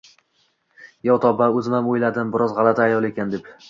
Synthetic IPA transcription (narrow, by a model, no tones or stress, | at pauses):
jɒwt̪ʰɒbaɵzɪmamojlad̪ɪmbɪɾɒzʁɑlˠat̪ʰaːjɒlˠe̞kʲand̪e̞p